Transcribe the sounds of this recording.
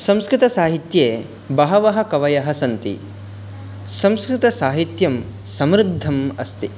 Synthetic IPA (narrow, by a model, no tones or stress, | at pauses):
sɐmskɾɪt̪ɐsaːɦit̪jeː | bɐɦɐʋɐɦɐ̆kɐʋɐjɐɦɐsɐnt̪ḭ | sɐmskɾɪt̪ɐsaːɦit̪jɐm | sɐmɾɪd̪ʱːɐmɐst̪i